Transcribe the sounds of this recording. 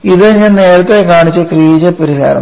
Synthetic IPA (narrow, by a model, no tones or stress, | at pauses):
iðɨɲɐneːɾɐt̪ːilekaːɳit͡ɕːɨkriːd͡ʑɐpːɐɾisa̰ːɾɐ̰